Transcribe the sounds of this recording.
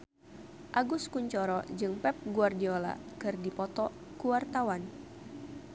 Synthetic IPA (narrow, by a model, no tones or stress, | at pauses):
ʔaɡʊskuɲt͡ʃɔɾɔd͡ʒɨŋpɛp̚ɡuardiola̰kɨrdipɔt̪ɔkuwart̪awan